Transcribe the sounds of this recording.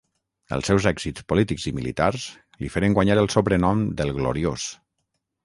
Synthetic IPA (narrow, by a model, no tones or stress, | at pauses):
ə̰lˠsɛwzɛɡz̥it͡spolit̪iɡzimilḭt̪aɾz | lifeɾəŋɡwaɲaɾəlˠsoβɾənɔmd̪əlˠɣlo̰ɾios